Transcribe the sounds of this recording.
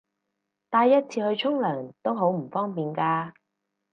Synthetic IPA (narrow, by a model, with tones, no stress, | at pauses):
t̪aː˧jːɐ˥t̚t͡sʰiː˧hɵ˧ɥt͡ʃʰʊ˥ŋlœː˨˩ŋt̪o˥wɦo˨˥wm̩˨˩fɔː˥ŋpiː˨nkaː˧